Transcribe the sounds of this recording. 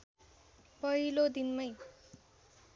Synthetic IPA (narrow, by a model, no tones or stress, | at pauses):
pʌɦilod̪inmʌj